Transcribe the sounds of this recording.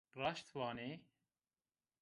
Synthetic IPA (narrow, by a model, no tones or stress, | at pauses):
rɑːʃt̪vɑːneː